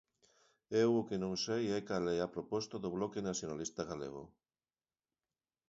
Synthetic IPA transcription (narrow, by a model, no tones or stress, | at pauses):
ewʊkenõŋsejɛkalɛapɾopɔst̪aðoβlɔkenaθjonalist̪aɣalḛɣ̞o̰